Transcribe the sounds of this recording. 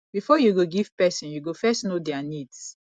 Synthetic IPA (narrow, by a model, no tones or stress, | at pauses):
bifɔjuɡoɡiv̥pɛsɔ̃njuɡofɛstnodɛanids